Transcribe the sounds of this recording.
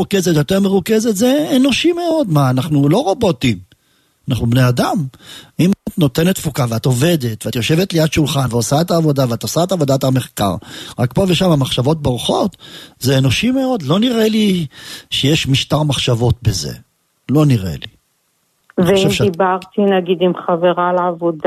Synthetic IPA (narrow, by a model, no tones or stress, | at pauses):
ukezetjo̞t̪eʁmeʁukezet̪zeːno̞ʃime̞o̞d̪maːnaχnulo̞ʁo̞bot̪im | anaχnubnead̪amimat̪no̞t̪e̞net̪fukaveat̪o̞ve̞d̪e̞t̪veat̪jo̞ʃe̞vet̪lejad̪ʃulχanveosaet̪aːvo̞daveat̪osaet̪avo̞d̪at̪ame̞χka̰ʁʁakpo̞veʃamamaχʃavo̞t̪̚baʁuχo̞t̪zeːno̞ʃime̞o̞d̪lo̞niʁeliʃejeʃmiʃtaʁmaχʃavo̞t̪bezḛ | lo̞niʁḛlḭ | veʃievʃibaʁt̪inaɡid̪imχaveʁalaavod̪